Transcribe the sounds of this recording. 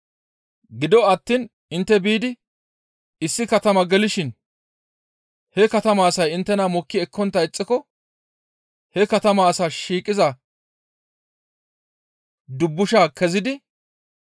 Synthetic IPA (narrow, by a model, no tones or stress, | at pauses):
ɡɪd̪ɔɐt̪ːiːn | ɪnt̪ːɛbiːd̪ɪ | ɪsːɪkɐt̪ɐmɐɡɛlɪʃɪn | hɛkɐt̪ɐmɐːsɐjɪnt̪ːɛnɐmɔkːɪɛkːɔnt̪ːɐɪt͡sʼːɪkɔ | hɛkɐt̪ɐmɐːsaːʃiːkʼːɪzɐ | d̪ʊbːʊʃaːkʰɛzɪd̪ɪ